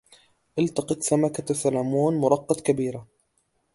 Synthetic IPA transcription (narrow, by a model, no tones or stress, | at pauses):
ʔɪlt̪ɑqɨt̪samakat̪asalaːmuːnmʊɾˤɑqːɑd̪kabiːɾa